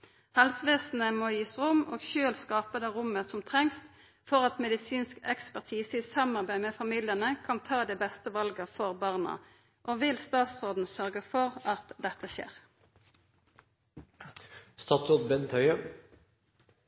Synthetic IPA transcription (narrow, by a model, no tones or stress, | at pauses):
hɛlsʋeːsn̩əmoːjiːsʁʊmo̰ːɡʃøːlskɑːpəd̪ɛʁʊməsɔmt̪ʰʁɛŋst̪ | fɔʁɑt̪mɛd̪ɪsiːnskɛkspæʁt̪ʰiːsəɪsɑmɑʁbæɪmɛfɑmiːlɪənəkʰɑnt̪ʰɑːd̪ɛbɛst̪əʋɑlɡəfɔʁbɑʁnə̰ | ʔoːʋɪlst̪ɑːt̪sʁoːd̪n̩sœʁɡəfɔʁɑt̪d̪ɛt̪ːəʃḛːʁ | st̪ɑːt̪ɔd̪bɛnt̪ʰœʏə